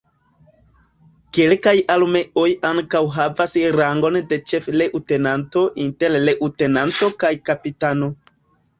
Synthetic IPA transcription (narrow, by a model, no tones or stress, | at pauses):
kelkajalme̞ʔo̞jaŋkawɦavasɾaŋɡo̞nde̞t͡ʃe̞fle̞ʔute̞nanto̞ʔinte̞ɾleʔute̞nanto̞kajkapitano̞